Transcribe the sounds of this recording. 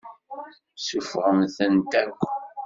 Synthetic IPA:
sufʁəmθənt̪ækʷː

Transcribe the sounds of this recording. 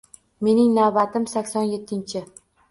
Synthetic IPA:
me̞nɪŋnavbat̪ɪmsakʲsɒnje̞t̪ʰːɪnt͡ʃʰɪ

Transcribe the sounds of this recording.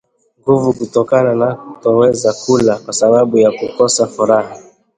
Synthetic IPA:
ŋɡuvukutɔkananatɔwɛzakulakwasaɓaɓujakukɔsafuɾaha

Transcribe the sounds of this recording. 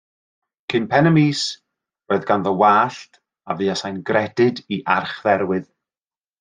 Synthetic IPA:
kʰɨnpʰɛnəmiːs | roːɨðɡanðəwaːɬt | avɨːasajnɡrɛdɨdiʔarχðɛɾwɨð

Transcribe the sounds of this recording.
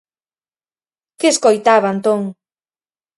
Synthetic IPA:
keeskojt̪aβant̪oŋ

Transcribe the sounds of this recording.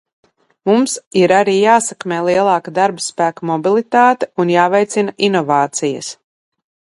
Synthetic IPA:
mumsiɾaɾiːjaːsakmeːlˠiɛlˠɑːkad̪aɾbspæːkamɔbilˠit̪aːt̪eunjaːvɛjt̪sinaʔinɔvaːt̪sijɐ̰s

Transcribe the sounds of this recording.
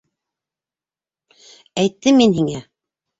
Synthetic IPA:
æjt̪ːɘminhiŋæ

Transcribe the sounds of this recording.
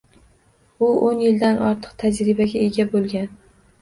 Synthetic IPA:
ʊʔonjɪld̪anʔɒɾt̪ʰɨ̥qt̪ʰad͡ʒɾɪbaɡʲae̞ɡʲabolˠɡʲan

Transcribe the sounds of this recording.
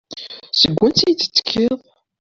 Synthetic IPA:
səɡʷːænt͡sːijt͡s̪ːə̥t͡sːə̥kʰːiðˤ

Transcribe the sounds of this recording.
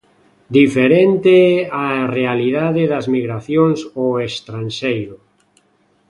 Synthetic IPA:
d̪ifeɾent̪eɛarealiðaðɪðɐzmiɣɾaθjoŋsoest̪ɾanʃejɾʊ

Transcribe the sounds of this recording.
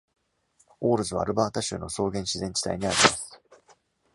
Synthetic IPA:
oːɾɯ̟zɨβa̰ːɾɯ̟baːt̪aɕɨ̰ːno̞so̞ːɡẽ̞ɰ̃ɕizẽ̞ɲ̟t͡ɕi̥t̪a̰iɲ̟iaɾʲimasɨ̥

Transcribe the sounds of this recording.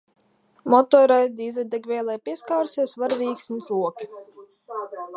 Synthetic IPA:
mɔt̪ɔːɾajd̪iːzɛd̪ɛɡvʲɛːlˠɛjpʲiɛskawɾsʲisvaɾvʲiːksʲnʲt̪slˠuɔki̥

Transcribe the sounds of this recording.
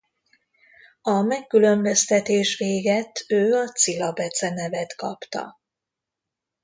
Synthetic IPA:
ɒmɛkːylø̞mbø̞st̪ɛt̪eːʃʋeːɡɛt̪øːɒt̪silɒbɛt̪sɛnɛvɛt̪kɒpt̪ɒ̰

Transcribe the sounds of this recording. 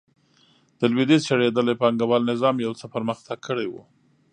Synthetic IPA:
d̪̥əlwid̪izt͡ʃaɽed̪əlepɑŋɡabɑlnɪzɑmjawt͡səpəɾməxt̪ʰaɡ̚kʰːəɽewṵ

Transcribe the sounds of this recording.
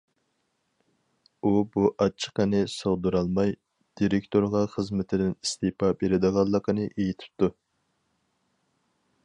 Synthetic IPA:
ubuʔɑt͡ʃʰːə̥qənɨsoʁd̪uɾɑlˠmɑj | d̪̥iɾekʲt̪ʰoɾʁɑχəzmɪt̪ʰɪd̪ɪnist̪epʰɑbeɾɪd̪ɨʁɑlˠːəqənɨʔejit̪ʰɪ̥p̚t̪u

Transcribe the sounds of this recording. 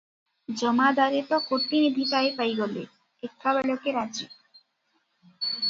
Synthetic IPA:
d͡ʑɔmad̪aɾet̪ɔkoʈːinid̪ʱipaepajɡɔle | ekʰːabɛlokeɾad͡ʑi

